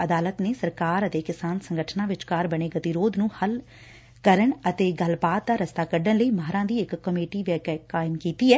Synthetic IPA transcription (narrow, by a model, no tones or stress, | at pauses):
əd̪aːlət̪neːsəɾkaːɾət̪eːkɪsaːnsəŋɡəʈʰnãːʋɪt͡ʃkaːɾbəɽ̃eːɡət̪iːɾoːd̪nũːhəl | kəɾəɳət̪eːɡəlbaːt̪̚d̪aːɾəst̪aːkəɖəɳləiːməɦɾãːd̪iːɪkːəmeːʈiːʋɛːkɛkaːɪmkiːt̪iːɛː